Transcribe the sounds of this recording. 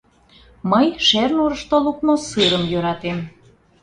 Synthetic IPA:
məjʃernuɾəʃt̪oluk̚nosɨɾəmjøɾɑt̪em

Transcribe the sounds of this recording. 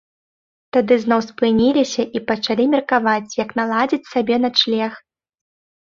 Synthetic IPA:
t̪ad̪ɨznɔwspɨnʲilʲisʲɐʔipɐt͡ʂalʲimʲirkavat͡sʲjɐknalˠad͡zʲit͡sʲsʲabʲɛnat͡ʂlʲɛx

